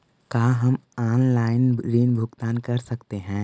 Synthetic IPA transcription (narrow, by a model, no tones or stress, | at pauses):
kaːɦɐmaːnlaːɪnɾiːnbʱʊɡt̪aːnkɐɾsɐkt̪eɦɛ̃ː